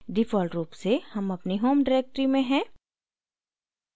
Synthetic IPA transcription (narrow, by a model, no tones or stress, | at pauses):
ɖifʰɔːlʈɾuːpsehɐmɐpniɦoːmɖaɾeːk̚ʈəɾimẽɦɛ̃ː